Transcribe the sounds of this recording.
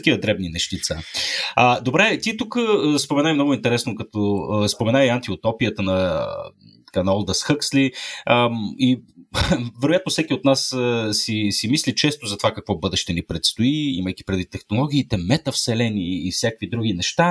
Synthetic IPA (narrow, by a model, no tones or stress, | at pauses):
t̪ɐkʲivəd̪ɾɛbninɛʃt̪it̪saəd̪obɾɛt̪it̪ukəspomɛnajmnɔɡʊint̪ɛɾɛsnokɐt̪ɔəspomɛnajiant̪iot̪ɔpijət̪ənɐ | t̪ɐ̥kanɐɔlˠd̪əsxɤksliəi | vɛɾoʊjat̪nofsɛkʲiot̪nassisimislit͡ʃɛst̪ozɐt̪ovakɐkvɔbɤd̪ɛʃt̪ɛnipɾɛt̪st̪oiḭməjki̥pɾɛd̪vit̪ːɛxnolˠɔɡ̟ʲiːt̪ɛmɛt̪əfsɛlɛniːfsʲjakvid̪ɾuɡinɛʃt̪a